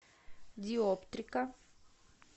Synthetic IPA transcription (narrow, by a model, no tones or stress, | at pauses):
d̪iɔpt̪ɾika